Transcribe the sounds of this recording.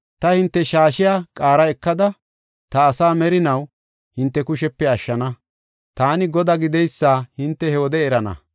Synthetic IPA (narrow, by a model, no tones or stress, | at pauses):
t̪ɐhɪnt̪ːɛʃaːʃɪjaːkʼaːɾɐɛkːɐd̪ɐ | t̪ɐːsaːmɛɾɪnɐw | hɪnt̪ːɛkʊʃɛpːɛɐʃːɐnɐ | t̪aːnɪɡɔd̪aɡɪd̪ɛjsːaːhɪnt̪ːɛhɛwɔd̪ɛːɾɐnɐ̰